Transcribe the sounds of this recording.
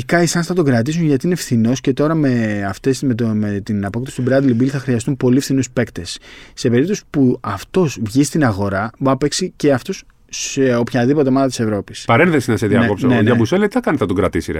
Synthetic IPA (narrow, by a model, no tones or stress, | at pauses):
ikɐisɐnsθɐt̪o̞ɡɾɐt̪̬isunʝɐt̪iinefθino̞sce̞t̪o̞ɾɐmeɐft̪esmet̪met̪inɐpokt̪esi̥t̪ubɾɐd̪libiliθɐxɾiɐst̪umpo̞lifθinuspe̞kt̪e̞sːe̞pe̞ɾip̚t̪o̞si̥puɐft̪o̞zvʝist̪inɐɣo̞ɾɐbɐpeksice̞ɐft̪o̞s | seo̞pçɐðipot̪e̞mɐðɐt̪isevɾo̞pispɐɾenðesinɐseðiɐkeopsoneoʝɐbuselet̪iθɐkɐnit̪θɐt̪oɡɾɐt̪isiɾḛ